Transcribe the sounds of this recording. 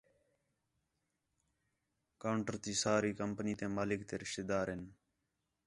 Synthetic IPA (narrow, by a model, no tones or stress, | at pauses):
kaːʊɳʈəɾt̪iːsaːɾiːkəmpəniːt̪ẽːmaːlɪkt̪eːɾɪʃt̪eːd̪aːɾɦɪn